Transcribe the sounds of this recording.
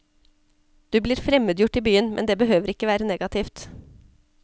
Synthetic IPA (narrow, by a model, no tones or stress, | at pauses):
d̪̥ʉːbliːɾfɾɛməd̪jʊʈiːbyːənmɛ̰nd̪eːbəhøːʋəɾɪkːəʋæːɾəneːɡɑt̪ʰɪft̪